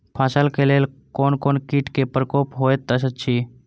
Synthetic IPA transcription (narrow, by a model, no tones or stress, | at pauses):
pʰaːsəlkeleːlkoːnkoːnkiːʈkepəɾəkoːpɦoːet̪ːəsət̪t͡ʃʰiː